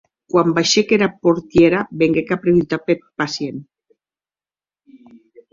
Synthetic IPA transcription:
kwambajʃekeɾapoɾt̪jeɾabeŋɡekapɾeβit̪apeɾpasjen

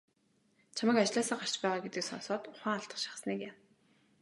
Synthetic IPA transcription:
t͡ɕʰamə̆kat͡ɕɮaːsaːɢar̥t͡ɕpæːʁaːɡet̪ɘ̆ksɔ̰nsɔːt̪ʊχæːŋaɬt̪ə̥̆χʃḁχsniːkjam

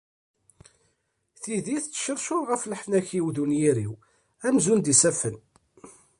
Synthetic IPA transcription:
θiðiθt͡sːʃəɾʃʊɾʁəflħnæçiwðunjiɾiw | æmzund̪isæfən

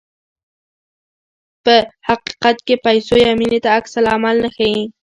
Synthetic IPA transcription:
pəhɑqi̥qɑt̪kɪpajsojamɪnɪt̪aːksalamalnaxajɪ

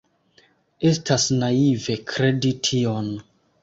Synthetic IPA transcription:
e̞stasnaive̞kʰɾe̞ditʰion

